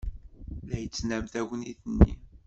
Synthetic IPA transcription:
læjət͡sːnæmt̪æwəniθənːḭ

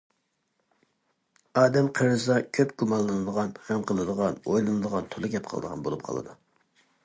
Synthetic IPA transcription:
ɑːd̪ɛmqʰəɾɨzɑkʲʰøpɡumɑlˠːɨnɨd̪əʁɑnχæmqəlˠɨd̪əʁɑnojlˠɨnɨd̪əʁɑnt̪ʰolˠɨɡʲɛp̚qʰəlˠɨ̰d̪əʁɑ̰nbo̰lˠup̚qʰɑ̰lˠɨ̰d̪u

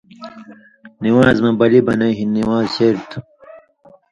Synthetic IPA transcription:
niwãːzmɐbɐlibɐnɐ̃iɦinnːiwãːzɕeɾt̪ʰu̥

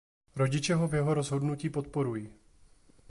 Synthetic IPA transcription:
ɾo̞ɟɪt͡ʃɛɦovjɛɦo̞ɾozɦo̞dnuciːpo̞t̪po̞ɾuji

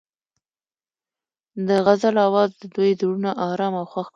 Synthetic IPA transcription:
d̪əɣazalawɑzd̪əd̪ujd̪əɽunaʔɑɾɑmawxwax

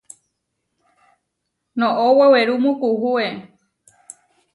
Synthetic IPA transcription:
nõʔoweweɾumũkuhue

